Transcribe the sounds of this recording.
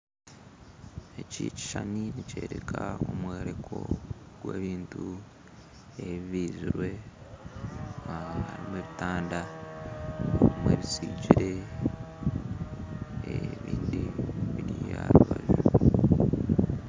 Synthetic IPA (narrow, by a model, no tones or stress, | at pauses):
ecici̥ʃaniniceːɾekʰaomweːɾekʰo̞ | ɡ̥weːβiːntu | eββiːziɾwe̞ | ahaɾimweːβitaːnda | omweβisiɟiɾe̞ | eβiːndiβiɾijaɾuβaʒo